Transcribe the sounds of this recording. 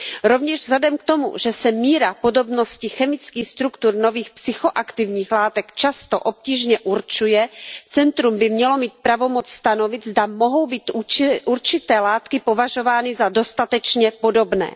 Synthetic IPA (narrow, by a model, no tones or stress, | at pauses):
ɾo̞vɲɛʒvzadɛmk̚t̪o̞mṵʒɛsɛmiːɾapo̞do̞bno̞scɪxɛmɪt͡skiːxst̪ɾukt̪uɾno̞viːxpsɪxo̞ʔakt̪ɪvɲiːxlaːt̪ɛkt͡ʃast̪o̰ʔop̚ciːʒɲɛʔuɾt͡ʃujɛt͡sɛnt̪ɾumbɪmɲɛlo̞miːt̪̚pɾavo̞mot͡sst̪ano̞vɪt̪zdamo̞ɦo̞wbiːt̪uɾt͡ʃɪt̪ɛːlaːt̪kɪpo̞vaʒo̞vaːnɪzado̞st̪at̪ɛt͡ʃɲɛpo̞do̞bnɛ̰ː